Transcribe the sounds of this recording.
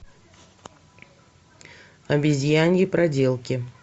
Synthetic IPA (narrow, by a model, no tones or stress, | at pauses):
ɐbʲɪzʲjanʲjɪpɾɐdʲelˠkʲɪ